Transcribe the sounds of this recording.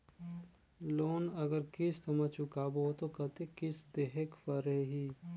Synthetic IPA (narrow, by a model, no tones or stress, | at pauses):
loːnɐɡəɾkɪst̪ʰəmat͡ʃʊkaːboːt̪okɐt̪ekɪsd̪eɦekpəɾeɦiː